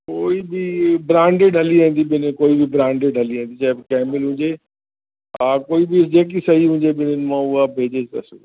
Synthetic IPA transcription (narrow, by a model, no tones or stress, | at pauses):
koːibɪbɾãːɳɖeɖɦɐliãːn̆d̪iɓɪnkoːibɪbɾãːɳɖeɖʱɐliãːnd̪it͡ɕaːɦɪbɪkɛːmɪlɦʊ̃ːɲd͡ʑe | aːkoːibɪd͡ʑeːk̬isɐɦiɦũːɲd͡ʑeɓɪnənɪ̆mãʊɦabʱeːd͡ʑet͡ɕt̪ɐsṵ